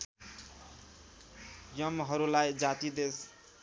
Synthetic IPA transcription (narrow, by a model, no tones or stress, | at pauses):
jʌmɦʌɾulajd͡zat̪id̪es